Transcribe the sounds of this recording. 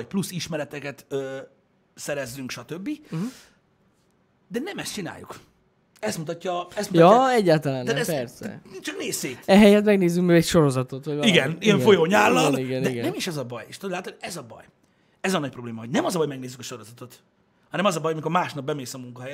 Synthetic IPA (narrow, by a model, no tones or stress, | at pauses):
ɒc̚plusiʃmɛɾɛt̪ɛkɛt̪øː | sɛɾɛzːyŋkʃɒt̪ø̞bːi | d̪ɛnɛmɛst͡ʃina̰ːjːṵk | ɛst̪mut̪ɒcːɒɛst̪muj̪ɒɛɟːaːlt̪ɒlaːnaɛɛpɛrsɛ̰nit͡ʃɒkneːseːɛɦɛjɛt̪mɛɡneːzykmøːɡɛcʃo̞ɾo̞zɒt̪o̞t̪ʋojiɡɛniɛɱfo̞joɲaːlːɒɛlniɡɛnɛiɡɛnɛmiʃɛzɒbɒjeʃt̪olaːt̪oɛzɒbɒ̰j | ɛzɒnɒc̚pɾobleːmɒɦoɟnɛmɒzɒbɒjmɛɡ̚neːzːykɒʃo̞ɾo̞zɒt̪o̞t̪ | hɒnɛmɒzɒbɒjɒmiko̞ɾmaːʃnɒb̚bɛmeːsɒmuŋkɒɦɛjɛ